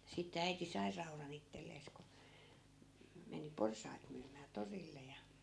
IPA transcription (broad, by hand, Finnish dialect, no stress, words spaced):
sitːe æiti sɑi rɑurɑn itːelːeːs ku m meni porsɑi̯t myːmæː torilːe jɑ